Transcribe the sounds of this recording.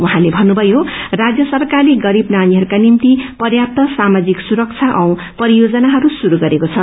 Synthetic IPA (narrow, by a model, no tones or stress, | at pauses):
uɦãlebʱʌnːubʱʌjorad͡zjʌsʌrkaliɡʌɾibnaniɦʌɾukanint̪ipʌrjap̚t̪ʌsamad͡ziksuɾʌk̚t͡sʰaʔʌw̃ | pʌɾijod͡zʌnaɦʌɾusuɾuɡʌɾekot͡sʰʌ